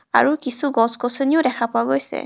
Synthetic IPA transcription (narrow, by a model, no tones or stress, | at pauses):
a̰ɹukisuɡɔskosoniʊdɛkʰapʊaɡojsɛ̰